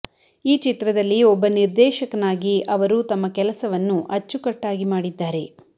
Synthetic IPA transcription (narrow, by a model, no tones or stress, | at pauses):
iːt͡ʃit̪ɾɐd̪ɐlːiɔbːɐniɾd̪ɛːʃɐkɐnaːɡiɐʋɐɾut̪ɐmːɐkɛlɐsɐʋɐnːuʔɐt͡ʃːukɐʈːaːɡimaːɽid̪ːaːɾe̞